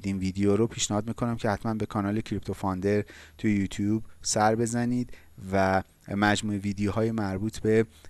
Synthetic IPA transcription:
d̪iːnviːd̪ejoːɾopʰiːʃnehɒːd̪miːkʰo̞næmcʰehæt̪ʰmænbe̞kʰɒnɒːle̞cʰɾipt̪ʰofɒnd̪e̞ɾt̪ʰujejuːt̪ʰjuːbsæɾbe̞zæniːd̪ | væ | mæd͡ʒmuːeviːd̪ejoɦɒːjemæɾbuːt̪ʰbe̞

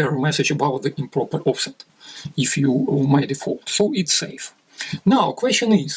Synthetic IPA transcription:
ɛɹmɛsɨd͡ʒɨbaʊt̪̚ðɨʔɪ̃mpʰɹɔpəɹɔfsɛt | ɪfjumaɪdɨfɔ̰lˠtsoʊɪtseɪf | naʊkʰwɛst͡ʃə̃nɪz̥

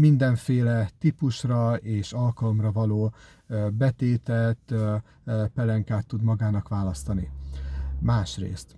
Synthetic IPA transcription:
mind̪ɛɱfeːlɛt̪ipuʃrɒeːʃɒlkɒlo̞mrɒvɒloː | bɛt̪eːt̪ɛt̪ | pɛlɛŋkaːt̪ːud̪mɒɡaːnɒkʋaːlɒst̪ɒni | maːʃrḛːst̪

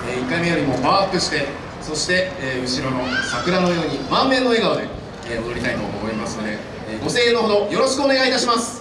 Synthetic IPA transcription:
eːikːaime̞joːɾʲimo̞baːkɯ̟ɕi̥t̪e̞ | so̞ɕi̥t̪e̞ːɯ̟ɕiɾo̞no̞sakɯ̟ɾano̞jo̞ːɲ̟imãmːẽ̞nːo̞e̞ɡaod̪e̞ː | mod̪oɾʲit̪ait̪o̞̰ʔːmo̞imasɨno̞d̪e̞ | ɡo̞se̞ːenoɦo̞d̪o̞jo̞ɾo̞ɕi̥kɯ̟one̞ɡait̪aɕimasɨ̥

